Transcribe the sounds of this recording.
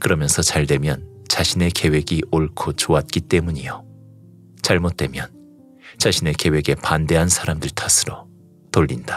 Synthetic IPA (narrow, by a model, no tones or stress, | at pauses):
kɯɾʌmjʌnsʰʌt͡ɕaɭdwe̞mjʌnt͡ɕaɕʰine̞ke̞we̞ɡiʔoɭkʰot͡ɕoat̚k͈it͈e̞muɲijo | t͡ɕaɭmot̚t͈we̞mjʌn | t͡ɕaɕʰine̞ke̞we̞ɡe̞pande̞ɦansʰaɾamdɯɭtʰasʰɯɾo | toʎːinda